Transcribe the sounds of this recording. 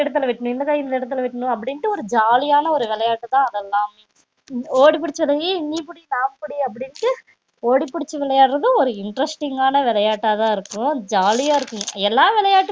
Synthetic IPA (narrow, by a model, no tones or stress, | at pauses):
ɪɽɐt̪̬ːɯlʋɪʈːɐnʊ̃ɪnd̪ɐkɐjɪnd̪ɐɪɽɐt̪̬ːɯlʋɪʈːɐɳʊ̃ɐpːɐɽɪnʈːɯɔɾɯd͡ʒaːlɪjaːnɐɔɾɯʋɪlɐjaːʈːɯt̪ãːɐðɛlːãːm | oːɽip̬ːɐɽɪt͡ʃːɯʋɪlɐjeniːpʊɽinaːmpʊɽɪɐp̬ːɐɽɪnʈːɯ | oːɽipːʊɽɪt͡ʃːɯʋɪlɐjaːʈɾɐðɯɔɾɯɪɳɖɾɐsʈɪŋɡaːnɐʋɪlɐjaːʈːɐt̪ãːɪɾɯkːʊ̃d͡ʒaːlɪjaːɪɾɯkːɯ̃ŋɡɐɛlːaːʋɪlɐjaːʈːɯ